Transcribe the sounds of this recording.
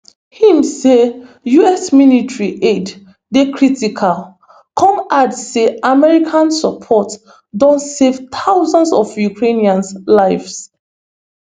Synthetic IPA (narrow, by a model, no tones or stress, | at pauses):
hĩmse | juɛsminitɹiʔed | dekʰɹitikʰal | kʰɔ̃madsːeamɛɹikʰãnsapʰɔt | dɔ̃ntsevt̪ʰawzãnsɔfjukʰɹeniãnslaɪfs